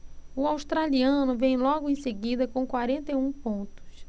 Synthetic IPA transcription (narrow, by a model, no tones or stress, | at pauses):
ʊawst̪ɾaliɐ̃nʊvẽj̃lɔɡʊẽj̃seɡid̪ɐkõw̃kwaɾẽnt̪ejũpõnt̪ʊ̥s